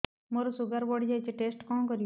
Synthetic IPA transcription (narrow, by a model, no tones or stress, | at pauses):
moɾɔsuɡaɾbɔɽd͡ʒat͡ʃeʈesʈkɔ̃ːkɔɾij